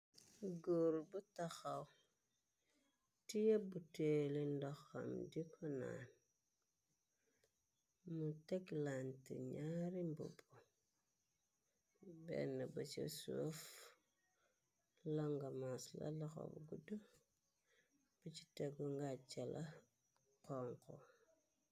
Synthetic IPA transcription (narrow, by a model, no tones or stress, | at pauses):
ɡuɾbutaxaw | tijebutelindɔxamdikʰɔna̰n | muteklantḭɲaɾimbṵbu | bɛ̰nabut͡ʃḛsuof | loŋɡamasla̰laxo̰bɡudu | b̥ut͡ʃi̥teɡoŋɡat͡ʃalʔa | kɔŋko